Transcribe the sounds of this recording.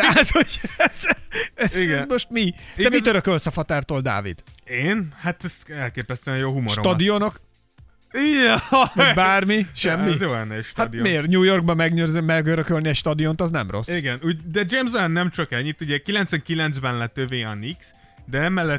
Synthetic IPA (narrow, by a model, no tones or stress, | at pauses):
at̪hoɟɛz̥ɛziɡ̪mo̞ʃt̪mid̪ɛmit̪øɾøkølsɒfɒt̪aːrt̪oːld̪a̰ːvḭd̪̥eːnhat̪ɛsɛlkeːpɛst̪ɛɛjoːɦumoʃɾotɒd̪ijonok | iɛmɛbaːrmiʃɛmːijoːlɛnːɛʃthatd̪iomeːrɲuːjo̞rɡ̚bɒmːɛɡnørzømːɛɡøɾøkølniɛʃt̪ɒd̪iont̪ɒznɛ̰mro̞̰sːiɡɛnuːɟd̪ɛd͡ʒeːmzoanːɛmt͡ʃɒkɛlːit̪ːuɟɛkilɛnt̪sʋɛŋkilɛnt̪zbɛnlɛt̪øveːɒniks | d̪ɛɛmɛlːɛt̪ː